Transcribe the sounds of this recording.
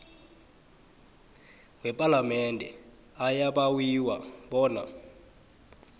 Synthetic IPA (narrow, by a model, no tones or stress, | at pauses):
wɛpʼalamɛndʱɛ | ajaɓawiwaɓɔːna̰